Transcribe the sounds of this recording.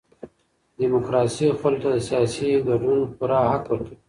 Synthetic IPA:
d̪imokɾɑsixʊlot̪ad̪əsijɑsiɡaɖunpuɾahakwəɾki

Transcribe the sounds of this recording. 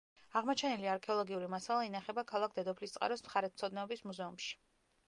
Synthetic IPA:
aʁmɔt͡ʃʰɛniliaɾkʰɛɔlˠɔɡiuɾimasalˠainaχɛbakʰalˠakʰd̪ɛd̪ɔpʰlist̪sʼqʼa̰ɾɔsmχaɾɛt̪̚t̪sʰɔd̪naɔbismuzɛumʃi̥

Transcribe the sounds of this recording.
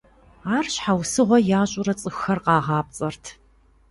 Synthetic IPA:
aːrɕħawsɨʁʷɔjaːɕʼʊɾɐt͡sʼɨxːɐrqɑːʁɑːp̚t͡sʼɐrtʰ

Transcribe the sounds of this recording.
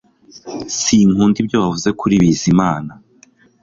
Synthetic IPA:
siŋuːndib̚jo̞βavuze̞kʰuɾiβizimaːna

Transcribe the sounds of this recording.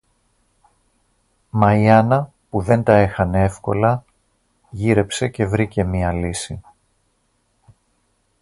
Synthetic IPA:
mɐiɐnɐ | puðe̞nt̪ɐe̞xɐnee̞fko̞̰lɐ | ʝiɾe̞pse̞ce̞vɾice̞miɐlisi

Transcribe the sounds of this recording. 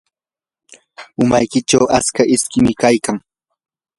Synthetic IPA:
ʊmajkɪt͡ʃawaskaʔɪskɪmɪkajkaŋ

